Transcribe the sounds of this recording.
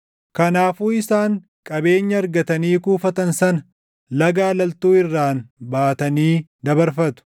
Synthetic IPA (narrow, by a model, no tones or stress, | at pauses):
kɐnaːfuːɪsaːŋ | kʼɐbe̞ːɲːɐːɾɡɐt̪ɐniːkuːfɐt̪ɐnsɐnɐ | lɐɡaːlɐlt̪uːɪrːaːnbaːt̪ɐniːd̪ɐbɐɾfɐt̪ʊ̥